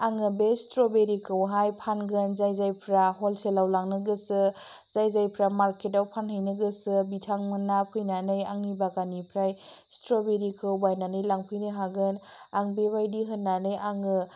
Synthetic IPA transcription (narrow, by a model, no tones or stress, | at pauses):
aŋɯbestɾobeɾikʰɯwɦajpʰanɡɯnzajzajpʰɾaɦolselawlaŋnɯɡɯsɯ | z̥ajzajpʰɾamaɾketawpʰanhɯjnɯɡɯsɯbitʰaŋmɯnːapʰɯjnanɯjaŋibaɡanipʰɾaj | stɾobeɾikʰɯwbajnanɯjlaŋpʰɯjnɯɦaɡɯn | aŋbebajdiɦɯnːanɯjaŋɯ